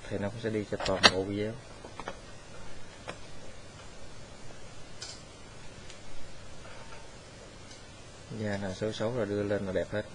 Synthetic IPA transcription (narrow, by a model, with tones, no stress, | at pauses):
t̪ʰi˨˩nɔ˨˦kʊ̰˧˥ŋ͡msɛ̰˧˥ɗi˧t͡ɕɔ˧t̪waː˨˩nɓo̰˧˨i˧ə˨˦w | zaː˧˩naː˨˩sə˨˦sə˨˦wlaː˨˩ɗɨ˧əle˧nlaː˨˩ɗɛ˨˩p̚he˦˥t̚